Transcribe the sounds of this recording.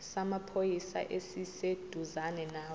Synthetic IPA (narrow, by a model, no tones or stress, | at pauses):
samapʰojisa̰ʔesised̥ʱuzanɛnaː